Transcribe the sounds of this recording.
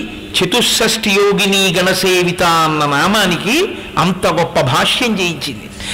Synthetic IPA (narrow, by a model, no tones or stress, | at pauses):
t͡ʃʰit̪usːɐsʈijoːɡiniːɡɐnɐseːʋit̪aːnːɐnaːmaːniki | ɐ̰nt̪ɐɡɔpːɐbʱaːʂjɐɲd͡ʒejit͡ʃːind̪i